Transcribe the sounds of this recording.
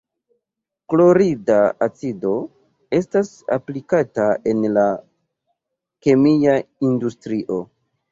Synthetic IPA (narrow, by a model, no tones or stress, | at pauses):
klo̞ɾidaat͡sido̞ | e̞stas | a̰plikatae̞nla | ke̞miaindustɾiʔo̞